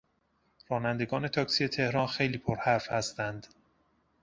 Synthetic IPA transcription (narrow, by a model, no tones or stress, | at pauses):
ɾɒːnænd̪e̞ɡɒːne̞t̪ʰɒːksijet̪ʰe̞hɾɒːnxe̞jliːpʰoɾhæɾfhæst̪ænd̪